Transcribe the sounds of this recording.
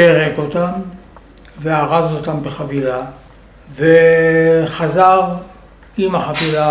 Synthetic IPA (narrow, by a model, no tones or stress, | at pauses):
eʁekot̪am | veaʁazot̪ambeχavila | ve | χazaʁ | imaχavila